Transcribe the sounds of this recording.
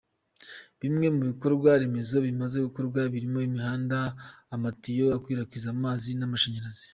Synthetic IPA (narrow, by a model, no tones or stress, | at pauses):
βimŋe̞muβiko̞ɾɡwaɾemezo̞βimaze̞ɡuko̞ɾɡwaβiɾimo̞imihaːndaːmatijo̞akwiːɾakwiːzamaːzinamaʃeɲaɾazi̥